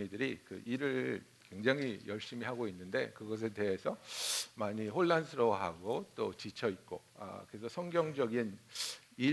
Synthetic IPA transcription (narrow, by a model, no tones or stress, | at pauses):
ɲidɯɾikɯ̰ʔiɾɯɭ | kwe̞ŋd͡ʑaŋɦijʌɭɕ͈imiɦaɡoinːɯnde̞̰kɯɡʌs̬ʰe̞de̞ɦe̞sʰʌmaɲiɸoɭːansʰɯɾoɦaɡot͈ot͡ɕit͡ɕʰʌit̚k͈o̰ʌ̰kɯɾe̞sʰʌsʰʌŋɡjʌŋd͡ʑʌɡin | i